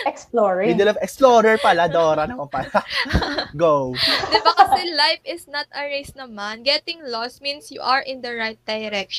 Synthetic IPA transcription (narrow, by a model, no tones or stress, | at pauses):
ʔɛksploɹɪd̪ɛlɐvɛksploːɾɛɹpɐlad̪ɐoːɾɐnɐkopala | ɡowd̪ɪbakɐsɛlajfɪsnɐt̪ʔɐɹejsnɐmanɡɛt̪ɪŋlɔsminsjʊʔɐɹʔɪnd̪ɐɹajt̪̚d̪̥ɐjɾɛk̚ʃ